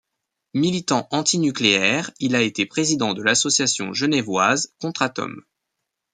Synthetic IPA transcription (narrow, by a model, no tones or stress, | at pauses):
milit̪ɑ̃ʔɑ̃t̪inykleɛʁilaet̪epχezid̪ɑ̃d̪əlasɔsjasjɔ̰̃ʒənɛvwazkɔ̃t̪χat̪ɔ̰m